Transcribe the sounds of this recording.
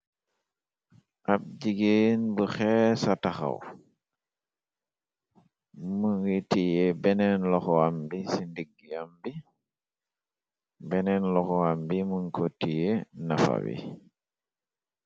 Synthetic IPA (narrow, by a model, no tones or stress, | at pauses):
ʔab̚ɟiɡenbəxɛsataxa̰w | məŋɡitijebɛnɛnlɔxɔambisindiɡːiambi | bɛnɛnlɔxɔambimuŋkotijenafa̰bḭ